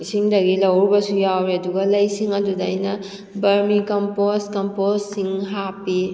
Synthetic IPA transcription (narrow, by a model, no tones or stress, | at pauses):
siŋdɐɡilɐwɾbɐsujawɾiɐduɡɐlɐjsiŋɐdudajnɐ | bɐɾmikɐmposkɐmposːiŋɦapi